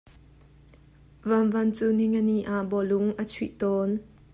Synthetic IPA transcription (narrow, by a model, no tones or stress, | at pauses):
vɐnvɐnt͡suniŋəniʔaʔbɔlʊŋʔət͡sʰwiʔt̪ɔːn